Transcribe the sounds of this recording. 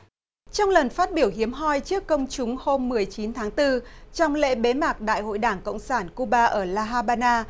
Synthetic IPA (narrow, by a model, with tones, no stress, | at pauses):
t͡ɕɔ˧wŋ͡mlə˨˩nfaː˦˥t̚ɓi˧˩əwhi˨˦əmɦɔ˧jt͡ɕɨ˦˥əkːə˧wŋ͡mt͡ɕʊ˨˦ŋ͡mho˧mːɨ˨˩əjt͡ɕi˨˦nt̪ʰaː˨˦ŋt̪ɨ˧t͡ɕɔ˧wŋ͡mlḛ˧˥ɓe˨˦maː˨˩k̚ɗa̰ː˧˨jho̰˧˨jɗaː˧˩ŋkə̰˧˨wŋ͡msaː˧˩nku˧ɓaː˧ʔəː˧˩laː˧ɦaː˧ɓaː˧naː˧